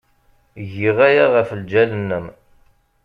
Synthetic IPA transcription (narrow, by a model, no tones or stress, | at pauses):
ʝiʁæjaʁæfəld͡ʒælənːəm